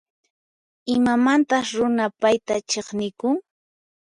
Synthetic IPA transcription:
ɪmamant̪asɾʊnapajt̪at͡ʃeχnɪkʊŋ

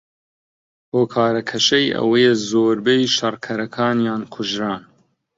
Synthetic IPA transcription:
hoːkʰaːɾɐkʰɐʃɐjʔɐ̰wɐjɛzoːɾbejʃɐrkʰɐɾɐkʰaːnjaːnkʰʊʒɾaːn

